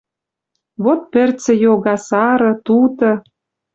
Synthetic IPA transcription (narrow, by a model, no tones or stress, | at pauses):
βot̪̚pɘ̆rt͡sɘ̆joɣɑsɑɾɤ̆t̪ut̪ɤ̆